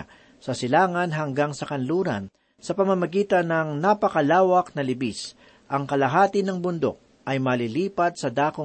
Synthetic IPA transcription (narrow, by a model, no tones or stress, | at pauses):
sɐsɪlaːŋɐnɦɐŋɡaŋsɐkɐnluːɾɐ̰n | sɐpɐmɐmɐɡiːt̪ɐnːɐŋnapɐkɐlaːwɐk̚nɐlɪbis | ʔɐŋkɐlɐɦaːt̪ɪnɐŋbʊnd̪o̰k̚ | ʔɐjmɐliliːpɐd̪̚sɐd̪aːko